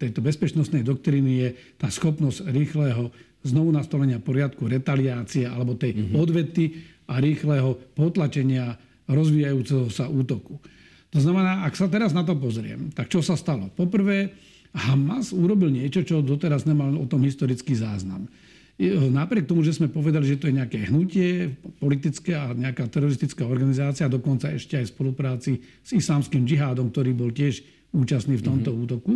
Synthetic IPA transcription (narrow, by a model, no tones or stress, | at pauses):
t̪ɛjt̪ɔbɛspɛt͡ʃnɔst̪nɛjd̪ɔk̚t̪ɾiːnijɛ | t̪aːsxɔpnɔz̥ɾiːxlɛːɦɔ | znɔʋunast̪ɔlɛɲɪapɔɾɪat̪kuɾɛt̪aliaːt͡siɛa̰lɛbɔt̪ɛjɔd̪ʋɛt̪i | aɾiːxlɛɦɔpɔt̪lat͡ʃɛɲɪa | ɾɔzʋiːjajuːt͡sɛɦɔsaʔuːt̪ɔku | t̪ɔznamɛnaːaksat̪ɛɾaznat̪̬ɔp̬ɔzɾɪɛ̰mt̪ak̚t͡ʃɔsast̪alɔpɔpr̩ʋɛː | hamazuɾɔbilɲɪɛt͡ʃɔt͡ʃɔd̪ɔt̪ɛɾazɲɛmalɔt̪ɔmɦist̪ɔɾit͡skiːzaːzna̰m | napɾɪɛk̚t̪ɔmuʒɛzmɛpɔʋɛd̪aliʒɛt̪ɔjɛɲɛakɛɦnucɪɛpɔlit̪it͡skɛːaɲɛakaːt̪ɛɾɔɾist̪it͡skaːɔɾɡanizaːt͡siad̪ɔkɔnt͡saɛʃcɛajspɔlupɾaːt͡si | z̥islaːmskiːmd͡ʒiɦaːd̪ɔmk̚t̪ɔɾiːbɔlcɪɛʃ | uːt͡ʃast̪niːft̪ɔmt̪ɔuːt̪ɔku